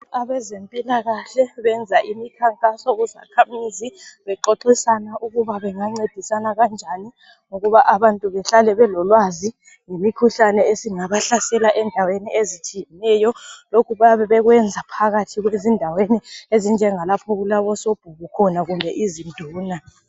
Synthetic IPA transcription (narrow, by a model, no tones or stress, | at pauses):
aβɛzempʼilaɣaɬɛβɛnd͡zʱaʔimikʰaŋkʼasɔɣuza̰kʰamiziβɛǃoǃisanaʔuɣuβaβɛŋaŋ͡ǀed̥ʱisanaɣand͡ʒʱani | ŋoɣuβaʔaβantʼuβɛɬalɛβɛlɔlwazi | ŋimikʰuɬanɛesiŋaβaɬasɛlaʔɛndʱaweniezit͡ʃʰʼijɛnɛjɔlokʰuβaβɛβɛɣwɛnd͡zʱapʰaɣatʰiɣwezindʱaweniezind͡ʒʱɛŋalapʰɔɣulaβɔsob̥ʱuɣukʰɔnaɣumbʱɛʔizind̥ʱuːna